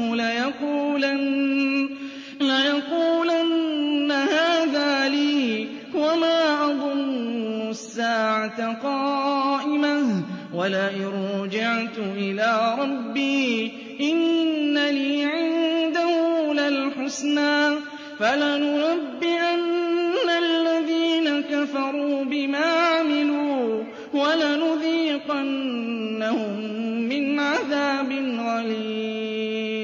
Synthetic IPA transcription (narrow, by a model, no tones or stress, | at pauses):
ʊlɪjɑquːlan | lajɑquːlanːahaːðaːliː | wamaːʔɑd̪ˤʊnːʊsːaːʕat̪aqɑːʔɪmahwalaʔɪɾd͡ʒaʕt̪ʔɪlaːɾˤɑbːiː | ʔɪnːaliːʕɪnd̪ahʊlalħʊsnaː | falanʊɾabːɪʔanːalːaðiːnakafɑɾˤuːbɪmaːʕamɪluː | walanʊðiːqanːahʊmː | ɪnʕaðaːbɪnɣaliː